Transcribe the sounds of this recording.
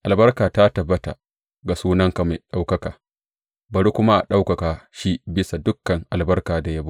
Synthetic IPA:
ʔa˨lbɐ˦rkaː˨ta˦tɐ˨bːɐ˦ta̰˨ | ɡa˨suː˦nɐ˦ŋka˨ma˨ɗa˦wkɐ˦kaː˨ | bɐ˨ɾu˦kʷʊ˦ma˦ʔa˨ɗa˦wkɐ˨kaː˨ʃi˦bɪ˦sa˨dʊ˦kːɐ˨ŋʔa˨lbɐ˦rkaː˨da˨ja˦ba˦

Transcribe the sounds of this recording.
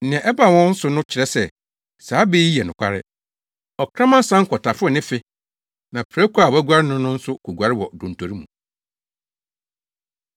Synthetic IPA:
n̩˨nɪ̃˨ɛ̃˨ʔɛ˦ba˨wɔ̃˦n̩˦sʊ˦nʊ̃˦t͡ɕʰɪ˨ɾɛ˦sɛ˦˨ | saː˨˦be˦i˦ɛ˨nʊ̃˨kʷʰa̰˦ɾɪ̰˦ | ɔ˨kʰɾã˦mã˦sã˦ŋ̩˦kʰɔ˨tʰa˨fɔ˦˨nɪ̃˦fɪ˦ | nã˨pʰɾæ˦kʰʷu˦a˦˨wæ˦ɡʷa˦ɾɪ˦nʊ̃˦nːʊ̃˦n̩˦sʊ˦kʰu˨ɡʷa˨ɾɪ˦wɔ˨dõ˨ntʰo˨ɾi˦mṵ̃˨

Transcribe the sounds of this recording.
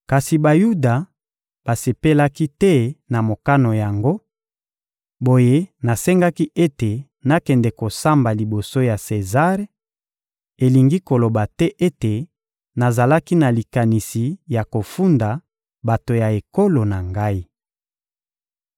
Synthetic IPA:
ka˨si˨ba˨ju˦da˨ | b̥a˨se˨pe˦la˦ki˦tɛ˦na˨mo˨ka˦no˨ja˨ŋɡo˦ | bo˨je˦na˨sɛ˦ŋɡa˦ki˦ʔe˦te˨ | na˨kɛ˨ndɛ˨ko˨sa˦mba˨li˨bo˨so˦ja˨se˨za˦ʁe˦ | e˨li˨ŋɡi˦ko˨lo˨ba˨tɛ˦ʔe˦te˨ | na˨za˨la˦ki˦na˨li˨ka˨ni˨si˨ja˨ko˨fu˦nda˨ | ba˨to˨ja˨e˨ko˦lo˨na˨ŋɡa˦i˦

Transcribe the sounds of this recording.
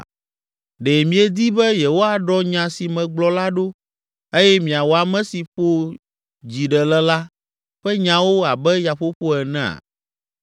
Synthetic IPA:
ɖɛ˨mĩ˨ɛ˨d̪i˦bɛ˦je˨wo˦a˨ɖɔ˦ɲã˨si˨mɛ̃˨ɡ͡blɔ˨la˦ɖo˦ | e˦jɛ˦mĩ˨a˨wo˨a˨mɛ̃˦si˨ɸo˦ | d͡ʑi˨ɖɛ˨lɛ˦la˦ | ɸɛ˦ɲã˨wo˦a˨bɛ˦ja˨ɸo˦ɸo˦ɛ˨nɛ̃˦˨a̰˨

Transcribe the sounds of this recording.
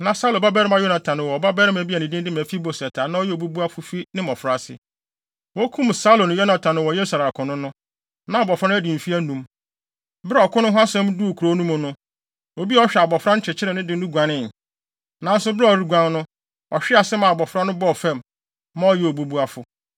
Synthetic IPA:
nã˨sa˦lõ˨ba˦bɛ˦ɾɪ˦ma˨jo˦na˨tʰã˨nʊ̃˨wɔ˨ɔ˨ba˦bɛ˦ɾɪ˦mæ˨bi˦æ˨nɪ̃˨dɪ̃˦dɪ˦mæ˨fi˦bo˨sɛ˨tʰaː˨nã˦ɔ˦jɛ˦o˨bu˦bu˦a˦fʊ˦fi˦nɪ̃˦mɔ˨fɾa˦˨sɪ̰˨ | wɔ˦kʰũ˦m˨sa˦lo˨ñ˨jo˦nã˨tʰã˨nʊ̃˨wɔ˨jɛ˦sa˨ɾa˨kʰʊ̃˨nʊ̃˦nʊ̃˦ | nã˨bɔ˨fɾa˦nʊ̃˦æ˦dɪ̃˨m˨fi˦æ˦nũ˨m | ba˦ɔ˨kʰʊ˦nʊ̃˦ɦʊ˦a˦sɛ̃˦m˦du˦˨kʰu˨ɾo˦nũ˦mʊ̃˨nʊ̃˦ | o˨bi˦ɔ˦ɕᶣɛ˨a˨bɔ˨fɾa˦n˦t͡ɕʰɪ˨t͡ɕʰɪ˦ɾɛ˨nɪ̃˦dɪ̃˦nũ˦ɡʷã˨nɪ̃˦˨n˨ | nã˨˦n˦sʊ˨bɪ˦ɾa˦ɔ˨ɾi˦ɡʷã˦nnʊ̃˦ | ɔ̰˨ɕᶣɪ˦a˨sɪ˦mã˨bɔ˨fɾa˦nʊ̃˦bɔ˦˨fɛ̃˦˨m˨ | mã˦ɔ˦jɛ˦o˨bu˦bu˦a˦fʊ˨

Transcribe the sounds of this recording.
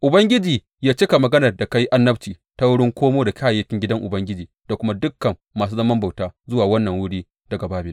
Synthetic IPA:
ʔʊ˨bɐ˦ŋɡʲɪ˦d͡ʒiː˨ | jaː˦t͡ʃɪ˦ka˨mɐ˨ɡɐ˦nɐ˨rda˨ka˦ji˦ʔa˦nːɐ˦ɸt͡ʃiː˨ | ta˦wʊ˦ɽɪ˦ŋkʷoː˦moː˦da˨kʰʲaː˦˨ja˦kʲɪ˦ŋɡʲɪ˦dɐ˦ŋʔʊ̰˨bɐ˦ŋɡʲɪ˦d͡ʒiː˨d̥a˨kʷʊ˦ma˦dʊ˦kːɐ˨mːaː˨s̬uː˦zɐ˦mɐ˦mba˨wtaː˦zʊ˦waː˨wɐ˦nːɐ˨ŋwʊ˦ɽiː˦ | d̥ɐ˨ɡa˨baː˦bɪ˨l

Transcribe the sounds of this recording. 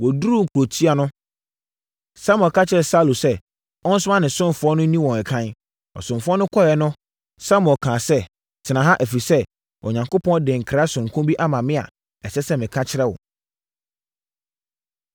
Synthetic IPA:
wɔ˨du˦ɾu˦ŋ̩˨kʰu˨ɾo˨tʰi˦a˦nʊ̃˦ | sa˦m˨ɔ̃˨kʰa˦t͡ɕʰɪ˦ɾɛ˨sa˦˨lo˨sɛ˦ | ɔ˦n̩˦sʊ˦ã˦nɪ̃˨sʊ̃˦nfʊ˨˦ɔ˦nʊ̃˦nĩ˦wɔ̃˨ɛ˨kʰã˦n | ɔ̰˨sʊ̃˨nfʊ˦ɔ˦nʊ̃˦kʰɔ˦jɛ˨nʊ̃˦ | sa˦m˨ɔ̃˨kʰãː˨sɛ˦ | tʰɪ˨nã˨ɦã˦ʔæ˨fi˨sɛ˦ | ʔɔ˨ɲã˨ŋko˦pʰɔ̃˦n˦dɪ̃˨ŋ̩˨kʰa˦sʊ̃˨ŋ˨kʰʊ̃˦bi˦ʔa˦mã˨mɪ̃˦a̰˨ | ɛ˨sɛ˦sɛ˦mɪ̃˨kʰa˦t͡ɕʰɪ˦ɾɛ˦wɔ̰˨

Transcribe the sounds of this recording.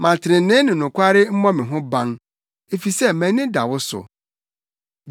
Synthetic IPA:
mã˨tʰɪ˨ɾɪ̃˨nɪ̃˦nɪ̃˨nʊ̃˨kʷʰa˦ɾɪ˦m̩˦mɔ̃˦mɪ̃˨ɦʊ̃˦bã˦ŋ | e˨fi˨sɛ˦mæ̃˨nɪ̃˦da˨wʊ˦sʊ̰˨

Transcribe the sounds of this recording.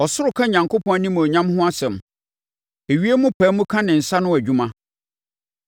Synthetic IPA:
ɔ˨sʊ˦ɾʊ˨kʰã˦ɲã˨ŋkʰo˦pʰɔ̃˦nĩ˦m˨ɔ˨ɲã˦mɦʊ̃˦a˦sɛ̃˨m | e˨ɥi˦e˦mʊ̃˦pʰæː˨˦mʊ̃˦kʰã˦nɪ̃˨n̩˨sa˦nʊ̃˦æ˨d͡ʑᶣũ˦mã˦

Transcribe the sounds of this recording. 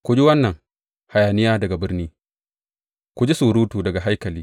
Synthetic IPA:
kʷu˨d͡ʒi˦wɐ˦nːɐ˨ŋ | ha˨jaː˨nɪ˦jaː˦dɐ˨ɡa˨bɪ˦ɾniː˦ | kʷu˨d͡ʒi˦su˨ɾuː˦tuː˨dɐ˨ɡa˨ɦa˦jkɐ˨liː˦

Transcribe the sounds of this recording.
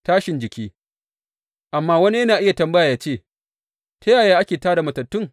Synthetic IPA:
taː˦ʃɪ˨nd͡ʒɪ˨kʲiː˦ | ʔa˨mːaː˦wɐ˦ni˦jɐ˦naː˨ʔɪ˦ja˨tɐ˨mbɐ˦jaː˨jaː˦t͡ʃeː˦˨ | tɐ˦jaː˨jaː˦ʔa˦kʲeː˨taː˦da˨mɐ˨tɐ˨tːʊ˦ŋ

